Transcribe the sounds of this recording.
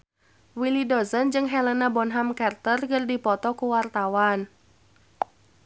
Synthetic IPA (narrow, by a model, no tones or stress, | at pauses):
wilidɔzənd͡ʒɨŋɦɛlənabɔnɦamkart̪ərkərdipɔt̪ɔkuwart̪awan